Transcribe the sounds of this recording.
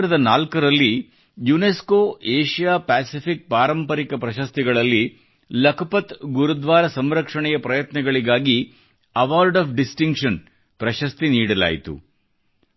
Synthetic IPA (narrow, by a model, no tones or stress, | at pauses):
ɾɐd̪ɐnaːlkɐɾɐlːi | juneskoːʔeːʃijaːpæːsipik̚paːɾɐmpɐɾikɐpɾɐʃɐst̪iɡɐɭɐlːi | lɐkʰɐpɐt̪ɡuɾud̪ʋaːɾɐsɐmɾɐkʂɐɳɛjɐpɾɐjɐt̪nɐɡɐɭiɡaːɡi | ɐʋaːɾɖɐːpʰɖisʈiŋkʂɐn | pɾɐʃɐst̪iniːɽɐla̰ːjit̪ṵ